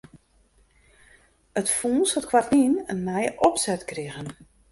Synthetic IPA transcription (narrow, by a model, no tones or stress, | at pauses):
ətfuːnsɔtkʰwatninənːɛjəʔɔpsɛtkrɪɣən